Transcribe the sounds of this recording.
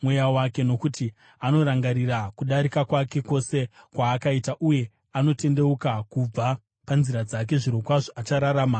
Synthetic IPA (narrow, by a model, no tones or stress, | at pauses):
mwejawake̞no̞kuti | ano̞ɾaŋɡaɾirakuɗaɾikakwake̞ko̞se̞kwaːkaitaʔuje̞ | ano̞te̞nde̞ukakub͡va | panziɾad͡zak̬e̞ʐiɾo̞kwaʐoat͡ʃaɾaɾaːma